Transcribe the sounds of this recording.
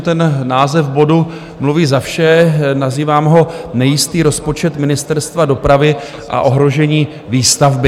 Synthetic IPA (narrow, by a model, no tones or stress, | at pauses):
t̪ɛnnaːzɛfbo̞du | mluviːzafʃɛnaziːvaːmɦo̞nɛjɪst̪iːɾo̞spo̞t͡ʃɛt̪mɪnɪst̪ɛɾst̪vado̞pɾavɪ | ʔa̰ʔo̞ɦɾo̞ʒɛɲiː | viːst̪avbɪ